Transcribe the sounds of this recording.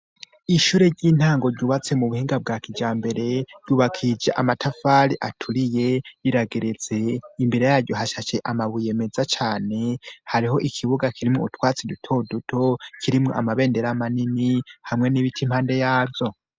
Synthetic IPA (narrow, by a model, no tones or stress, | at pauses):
iʃuːɾe̞ɾɟiːn̥haːŋɡo̞ɾɟuːβat͡se̞muβuhiːŋɡab̚ɡaːkid͡ʒaːmbe̞ɾe̞ɾ̥ɟ̥uːβakʰid͡ʒaʔamatʰafaɾiʔatʰuɾije̞iɾaɡe̞ɾet͡se̞imbiɾe̞jaːɾɟo̞haʃat͡ʃe̞ʔamaβuje̞me̞zat͡ʃaːne̞haɾiɦo̞ʔikʰiβuɡakʰiɾimŋoṵtwaːt͡sidutʰo̞ːdutʰo̞kʰiɾimŋo̞ʔa̰maβe̞ːnde̞ɾamaninihamŋe̞niβitʰimhaːnde̞jaːbjo̞